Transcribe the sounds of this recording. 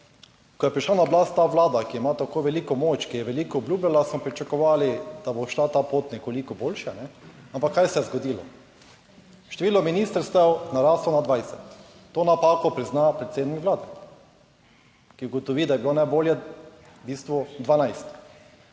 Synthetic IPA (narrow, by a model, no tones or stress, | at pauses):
kɔjɛpɾiʃlanablast̪ːaːʋlaːd̪akiɛmat̪akojʋɛliːkɔmoːt͡ʃkijɛʋɛliːkɔɔblʲuːblʲalasmɔpɾit͡ʃakɔʋaːlid̪̥aboʃlat̪aːpoːt̪nɛkolikɔboːlʃɛnɛ | ampakʰːajsɛjɛzɡɔd̪iːlɔ̰ | ʃt̪eʋiːlɔminiːst̪əɾst̪ɛwnaɾaːslɔnad̪ʋajsɛt̪ː | oːnapaːkɔpɾiznapɾet̪seːd̪nikʋlaːd̪ɛ | kiuɡɔt̪ɔʋiːd̪ajɛbilonajboːljɛ | biːst̪ʋɔd̪ʋanajst̪